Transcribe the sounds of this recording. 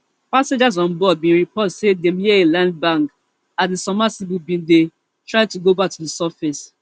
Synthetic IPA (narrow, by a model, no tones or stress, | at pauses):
pasẽd͡ʒazɔ̃nbɔd̚bĩnɹipʰɔtsedẽmjɛelãnd̚bãŋk | atðesɔmasibubĩnde | tɹaɪtuɡobak̚tʰudɪsafes